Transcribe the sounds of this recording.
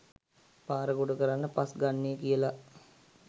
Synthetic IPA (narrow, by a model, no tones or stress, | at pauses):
paːɾəɡoɖəkəɾanːəpasɡanːejəkijəla